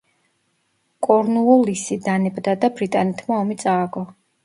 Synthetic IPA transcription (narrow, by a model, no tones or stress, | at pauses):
kʼɔɾnuɔlisid̪anɛbd̪ad̪abɾit̪ʼanɛt̪ʰmaɔmit̪sʼaːɡɔ